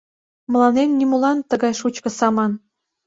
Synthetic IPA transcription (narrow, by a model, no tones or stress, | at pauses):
mə̆lˠɑnenːʲimulɑnt̪əɣɑjʃut͡ɕkɤ̆sɑmɑn